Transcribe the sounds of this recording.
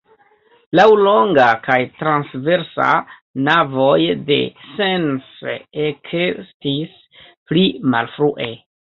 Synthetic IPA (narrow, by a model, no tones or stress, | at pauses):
lawlo̞ŋɡakajtɾansve̞ɾsa̰ | navo̞jde̞̰sensekʰestis | plima̰lfɾuʔe̞